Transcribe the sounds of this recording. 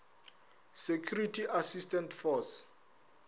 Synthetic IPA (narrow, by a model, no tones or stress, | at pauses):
sekʰjuritʰiʔasistɛntʰfɔs